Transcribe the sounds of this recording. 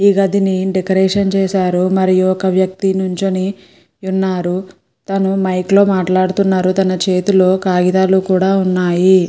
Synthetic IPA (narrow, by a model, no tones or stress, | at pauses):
iɡɐd̪iniɖekɐɾɛːʂɐnt͡ʃɛːʃaːɾumɐɾijuɔkɐʋjɐk̚t̪inuɲt͡ʃuni | unːaːɾu | t̪ɐnumɐjklo̞ːmaːʈlaːɽut̪unːaːɾut̪ɐnɐt͡ʃe̞ːt̪ulo̞ːkaːɡid̪aːlukuːɽaːunːaːji